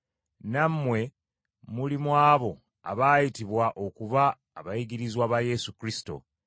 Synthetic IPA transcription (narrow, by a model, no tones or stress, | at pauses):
namːwe̞ | mulimwaːβo̞ | a̰βaːjitiβwaʔo̞kuβaː | βajiɡiɾizwaβaje̞sukɾisi̥to̞̰